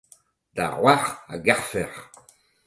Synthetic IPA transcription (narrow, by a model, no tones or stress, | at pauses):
d̪̥a̰ʁwaʁa̰ɡɛʁfɛʁ